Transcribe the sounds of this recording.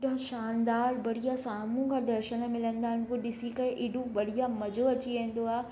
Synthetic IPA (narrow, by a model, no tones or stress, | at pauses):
ɗɦʊ̃ʃaːnd̪aːɾbɐɽ̤ijasaːmũkʰãd̪ɐɾʃənmɪlə̃nd̪aːɦɪnkoɗɪsikɐɾeʔɪːɖũʋɐɽ̤ijamɐd͡ʑʱoɐt͡ɕiʋẽɦn̆d̪oaːɦe